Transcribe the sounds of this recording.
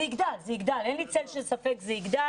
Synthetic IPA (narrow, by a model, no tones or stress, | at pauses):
iɡd̪alzeiɡd̪alenlit͡selʃesafekzeiɡd̪a